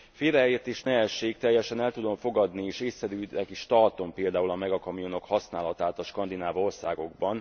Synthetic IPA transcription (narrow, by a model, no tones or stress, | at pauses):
feːɾɛet̪eːʃnɛɦɛʃːeːk̚t̪ɛjːɛʃɛnɛlt̪ud̪o̞mfo̞ɡɒd̪nieːʃeːsːɛɾyɛkiʃt̪ɒrt̪o̞mpeːld̪aːulɒmɛɡɒkɒmijono̞khɒsnaːlɒt̪aːt̪ɒʃkɒnd̪inaːvo̞rsa̰ːɡo̞ɡ̚bɒn